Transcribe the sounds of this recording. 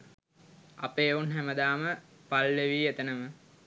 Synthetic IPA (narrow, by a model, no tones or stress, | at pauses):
apeːunɦæməd̪aːmə | palːeʋiːet̪ənəmə